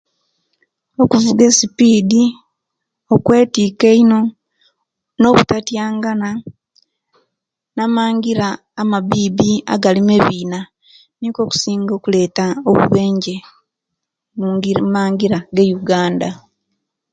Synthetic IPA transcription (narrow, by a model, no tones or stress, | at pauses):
o̞kuvuɡe̞sipiːdi | okwe̞ːtiːkeino̞ | no̞ːβutatjaːŋɡana | namaːŋɡiɾaː | mabiːbia̰ɡalimeβiːna | niko̞ːku̥siːŋɡo̞ːkule̞ːtaoβṵβe̞ːɲɟe̞ | muŋmaːŋɡiɾaɡe̞juɡaːnda